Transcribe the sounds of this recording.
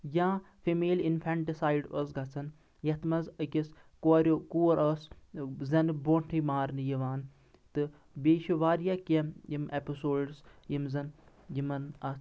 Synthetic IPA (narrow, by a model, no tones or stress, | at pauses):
jãː | fʰimeːlinfʰɛɳʈisaːjɖos̬ɡɐt͡sʰɐn | jɐt̪ʰmɐzəkʲis | koɾʲokuːɾɐːszɐnboːɳʈʰimaːɾnɨjiʋaːn | t̪ɨ | beːʃuʋaːɾjakɐmjimepisoːɖsjimzɐn | jimɐnɐ